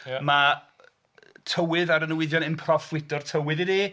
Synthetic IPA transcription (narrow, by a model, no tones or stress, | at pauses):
ma | tʰəwɪðaɾənəwɪðjɔnɪnpʰrɔfwɪdɔr̥tʰəwɪðɪdi